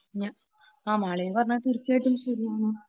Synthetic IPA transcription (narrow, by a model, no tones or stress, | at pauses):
ɲa | aːmaːɭejpɐrɐɲːat̪iɾit͡ɕːaːjʈːumɕɐɾiɲi